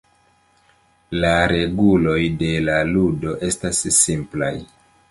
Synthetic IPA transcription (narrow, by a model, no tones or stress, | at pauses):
laɾe̞ɡulo̞jde̞laludo̞ʔe̞stasːimpla̰j